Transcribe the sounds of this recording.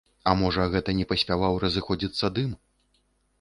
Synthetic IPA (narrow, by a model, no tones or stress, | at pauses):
ɐmɔʐɐɣɛt̪ɐnʲɛpɐsʲpʲavawɾɐzɨxɔd͡zʲit̪sːɐd̪ɨm